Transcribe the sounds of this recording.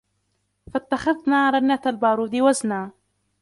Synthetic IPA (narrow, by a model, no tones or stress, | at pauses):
fat̪ːaxaðnaːɾˤɑnːat̪albɑːɾˤuːd̪ɪwaznaː